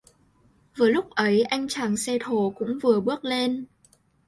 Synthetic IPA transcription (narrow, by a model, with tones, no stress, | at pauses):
vɨː˨˩jlʊ˦˥k͡p̚ʔə˨˦jʔa˧jŋ̟t͡ɕaː˨˩ŋsɛ˧t̪ʰo˨˩kʊ̰˧˥ŋ͡mvɨ˨˩əɓɨ˦˥ək̚le˧n